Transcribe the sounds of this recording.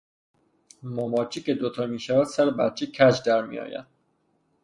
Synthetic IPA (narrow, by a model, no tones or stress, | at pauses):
mɒmɒːt͡ʃʰice̞d̪ot̪ʰɒːmiːʃævæd̪̥sæɾebæt̪̚t͡ʃʰecʰæd͡ʒd̪æɾmḭjɒ̰ːjæ̰d̪̥̚